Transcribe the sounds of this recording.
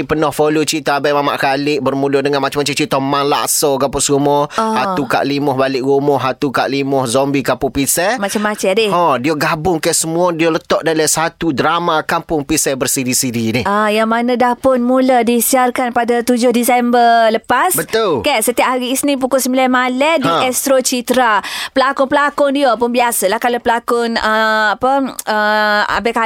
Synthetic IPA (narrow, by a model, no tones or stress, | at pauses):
pənɔhfolot͡ʃit̪abajmama̰ʔkalɪʔbərmulʊdəŋanmat͡ʃamat͡ʃat͡ʃit̪ɔmanla̰ʔsɔɡapʊsɾumɔhat̪uka̰ʔlimɔhbalɪʔɣumɔɦat̪ukaʔlimɔhzɔmbikapʊpisɛmat͡ʃamːat͡ʃɛdɪɔdioɡabʊŋkasəmuɔdiolət̪ɔʔdalasat̪udɾamakampʊŋpisɛbərsiɾisiɾinɪajaŋmanãdahpʊnmuladisiarkanpadat̪ud͡ʒʊhdisɛmbərləpasbət̪ʊlkɛsət̪iap̚ɦaɾiːsnipukʊsəmbilanmalɛdiɛst̪ɾot͡ʃit̪ɾapəlakʊnpəlakʊndiop̬ʊnbiasalahkalopəlakʊnəapəəa̰bɛka